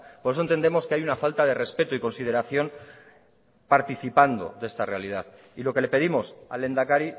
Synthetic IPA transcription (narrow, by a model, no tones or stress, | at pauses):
po̞ɾesont̪end̪e̞mo̞skeajunafalt̪aðe̞re̞spe̞t̪oiko̞nsið̞e̞ɾaθjo̞n | paɾt̪iθipand̪o̞̰ðe̞st̪are̞alið̞aθ | ilo̞ke̞le̞pe̞ð̞imo̞sa̰le̞nd̪akaɾi